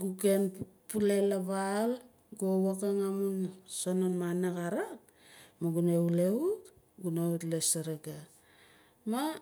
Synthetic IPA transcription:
ɡukenpulelaβal | ɡuowakaŋamunsononmanakaɾak | maɡuneuleut | ɡuneutlesaɾaɡa | ma

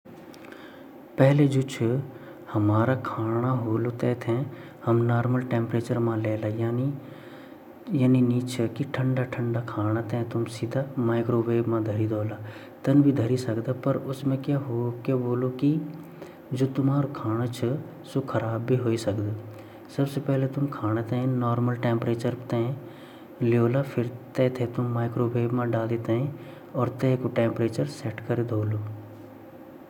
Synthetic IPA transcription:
pɛɦled͡ʒoːt͡ʃʰə | hɐmaːɾakʰaːɽ̃aɦoːlot̪ɛːt̪ʰɛ̃ | hɐmnaːɾməlʈẽːmpɾeːt͡ʃəɾmãleːlajaːni | janiniːt͡ʃʰəkiʈʰəɳɖaʈʰəɳɖakʰaːɽ̃at̪ɛ̃t̪ʊmsɪd̪ʱaːmaːkɾoːʋeːbmãd̪ʱəɾid̪oːla | t̪ɐnbʱid̪ʱəɾisɐkd̪apɐɾʊsmẽkjaɦokaboːloki | d͡ʒoːt̪ʊmaːɾokʰaːɽ̃ot͡ʃʰɐ | sokʰɐɾaːbːʱiɦoːisɐkd̪a | sɐbsepɛɦlet̪ʊmkʰaːñet̪ɛ̃nɔːɾməlʈẽːmpɾeːt͡ʃəɾt̪ɛ̃ | lɪjoːlapʰɪɾt̪ɛ̃ːt̪ʰet̪ʊmːaːɪkɾoːʋeːbmãɖaːld̪it̪eɦẽ | ɔːɾt̪ɛkoʈɛ̃ːmpɾeːt͡ʃəɾsɛʈkɐɾed̪ʱoːloː

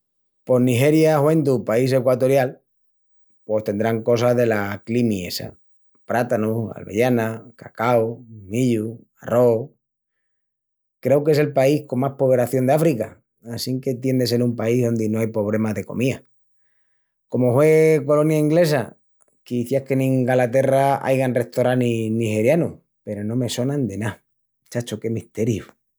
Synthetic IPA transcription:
po̞nixe̞ɾjahwe̞nd̪upaise̞kwat̪o̞ɾjal | pwo̞st̪e̞nd̪ɾaŋko̞sazðe̞laklimie̞̰sa̰ | pɾat̪anua̰lβe̞̰jʝanakakawmiʎu | a̰rʔo | kɾe̞wke̞s̬e̞lpaihko̞maspoβe̞ɾaθjo̞nd̪eafɾika | asiŋke̞t̪je̞nd̪ese̞lumpaiɦðo̞nd̪enoajpo̞β̞ɾe̞maðe̞ko̞̰mia̰ | ko̞mohwe̞ko̞lo̞njaiŋɡle̞sa̰ | kiθjahkenĩŋɡalat̪e̞raa̰jɣanre̞ht̪oɾaninihe̞ɾjanu | pe̞ɾo̞nõ̞me̞so̞nãnd̪e̞na | t͡ʃat͡ʃoke̞miht̪e̞ɾju

